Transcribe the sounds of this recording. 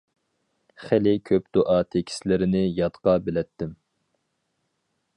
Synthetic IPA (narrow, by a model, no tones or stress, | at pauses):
χɛlɪkʲʰøpd̪̥oʔɑt̪ʰekʲʰi̥slɪɾɪnɪjɑt̪qɑbɪlɛt̪ːɪm